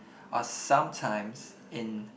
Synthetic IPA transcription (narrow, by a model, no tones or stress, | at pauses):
ʔəsʌ̃mtʰãɪ̃mz̥ | ɪ̃n